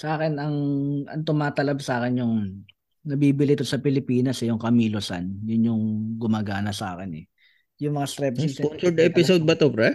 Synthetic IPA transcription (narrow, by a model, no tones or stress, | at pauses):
sɐʔaːkɛnɐŋʔɐ̰ŋt̪ʊmaːt̪ɐlɐbsaːkɪnjʊŋ | nɐbiːbɪlɪt̪osɐpɪlɪpiːnɐsɛjʊŋkɐmiːlosa̰njʊnjʊŋɡʊmaːɡaːnɐsa̰ːkɛnɛ | jʊŋmɐŋast̪ɾɛp̚sispont͡ʃʊɾd̪ɛpɪsod̪̚bɐt̪opɾɛ